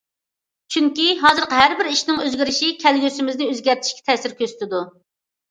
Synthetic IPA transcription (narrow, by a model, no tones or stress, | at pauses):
t͡ʃʰyŋkʲiɦɑːzɨɾqəɦæɾbɪɾiʃnɪŋøzɡʲiɾɪʃikʲʰɛlɡʲøsɪmɪznɪøzɡʲæɾt̪ʰɪ̥ʃkʲɛ̥t̪ʰɛsɪɾkʲøst̪ʰɪd̪u